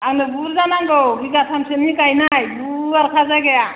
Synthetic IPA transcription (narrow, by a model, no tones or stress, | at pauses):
anebuɾzanaŋɡɔwɡiɡatʰamsenikajnajbuaɾkʰazajɡeja